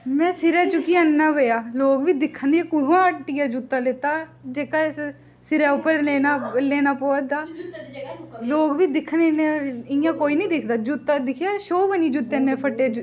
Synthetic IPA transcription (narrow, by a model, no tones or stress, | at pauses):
mɛ̃ːsɪɾɛːt͡ʃʊkiənːaːʋeːjaːloːɡʋiːd̪ɪkʰːənekʊɾãːʈːiaːd͡ʒut̪ːaːleːt̪aːd͡ʒeːkaːs | sɪɾɛːʊpːəɾeːnaːleːnaːpoːd̪aː | loːɡʋiːd̪ɪkʰneneɪjãːkoːiːnĩːd̪ɪkʰd̪aːd͡ʒut̪ːad̪ɪkʰjaːʃoːʋənĩːd͡ʒut̪ːeːnːẽːpʰəʈːeːd͡ʒ